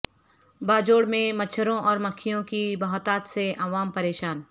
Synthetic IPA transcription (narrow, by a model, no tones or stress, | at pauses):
baːd͡ʒoːɽmẽmɐt͡ʃʰəɾõʔɔːɾmɐkʰːijõkibɐɦɔt̪aːt̪seʔaːʋaːmpɐɾeːʃaːn